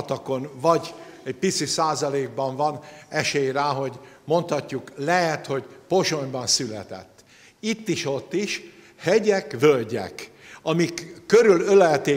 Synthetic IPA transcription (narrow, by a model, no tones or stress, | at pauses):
t̪ɒko̞nvɒɟ | ɛɟpit̪sisaːzɒleːɡ̚bɒɱvɒnɛʃeːjɾaːɦo̞ɟmo̞nt̪hɒcːuklɛɦɛt̪ho̞ɟpo̞ʃo̞ɲbɒnsylɛ̰t̪ɛ̰t̪ː | it̪ːiʃo̞t̪ːiʃ | hɛɟɛkvølɟɛ̰k | ɒmikːøɾylølɛt̪eː